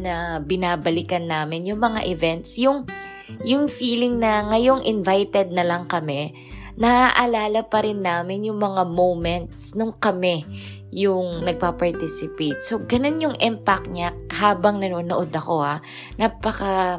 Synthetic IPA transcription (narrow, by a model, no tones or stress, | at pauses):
nɐbɪnaːbɐlɪkɐnːaːmɪnjʊŋmɐŋa̰ʔɪvɛnt̪sjʊŋ | jʊŋfiːlɪŋnɐŋɐjo̞ŋʔɪnvajt̪ɛd̪̚nɐlɐŋkɐmɛ | nɐʔaʔɐlaːlɐpɐɾɪnːaːmɪnjʊŋmɐŋamowmɛnt̪̚snʊŋkɐmɛ | jʊŋnɐɡ̚papɐɹt̪ɪsɪpejt̪̚so̞ɡɐno̞njʊŋʔɛmpak̚ɲahaːbɐŋnɐnoːnoʔod̪ɐko̞ha | napɐka